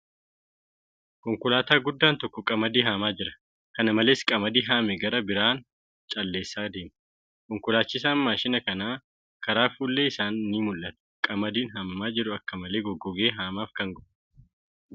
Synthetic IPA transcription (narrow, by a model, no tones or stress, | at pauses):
kɔŋkʊlaːt̪aːɡʊd̪ːaːnt̪ɔkːɔkʼɐmɐd̪iːɦaːmaːd͡ʒɪɾɐ̥ | kɐnɐmɐle̞ːskʼɐmɐd̪iːɦaːmɛɡɐɾɐbɪɾaːn | t͡ʃʼɐlːe̞ːsːaːd̪e̞ːm | kɔŋkʊlaːt͡ʃːɪs̬aːmːaːʃɪnɐkɐnaː | kɐɾaːfuːlːeːɪsaːnːiːmʊlʔɐt̪ɛ̥kʼɐmɐd̪iːnɦɐmːaːd͡ʒɪɾʊɐkːɐmɐle̞ːɡɔɡːɔɡe̞ːɦaːmaːfkɐŋɡɔʔ